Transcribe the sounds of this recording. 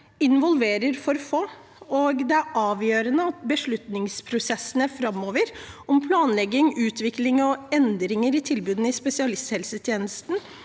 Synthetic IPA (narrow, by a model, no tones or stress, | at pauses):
ɪnʋɔlʋeːɾəɾfɔɾfoː | ɔːɡd̪ɛæɾɑːʋjøːɾənəɑt̪̚bəʂɭʉt̪nɪŋspʰɾʊsɛsːənəfɾɑmːoːʋəɾɔmpʰlɑːnlɛɡːɪŋʉːt̪ʰʋɪklɪŋɔɛnd̪ɾɪŋəɾɪt̪ʰɪlbʉːd̪n̩ɪspɛsɪɑlɪst̪hɛlsət̪ʰjeːnəst̪n̩